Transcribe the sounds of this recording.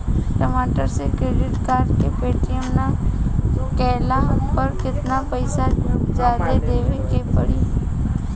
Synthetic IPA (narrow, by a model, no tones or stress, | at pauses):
ʈəmaːʈəɾsekɾeːɖɪʈkaːɾɖkepeːʈijəmna | kɛːlapɐɾkɪt̪napəɪsad͡ʒjaːd̪ed̪eːʋekepəɽiː